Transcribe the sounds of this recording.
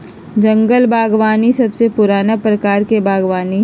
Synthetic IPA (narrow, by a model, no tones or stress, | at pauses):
d͡ʒɐ̃ŋɡəlbʱaːɡʋaːnisɐbsepʊɾaːnapɾɐkaːɾkebʱaːɡʋaːni